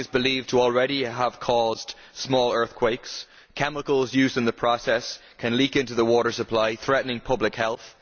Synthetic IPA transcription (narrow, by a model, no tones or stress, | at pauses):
ɪzbɪliv̥tʰəɔl̩ˠɹɛɾiəv̥kʰɔzd̥ | smɔːlˠɜ˞θkʰw̥eɪks | kʰɛməkəl̩ˠzjʉzɪ̃ŋðəpʰɹ̥ɔsɛs | kʰə̃nlikɪ̃ntʉðəwɔɾə˞səpʰl̥aɪθɹɛʔnɪ̃ŋpʰʊblɪkhɛlˠθ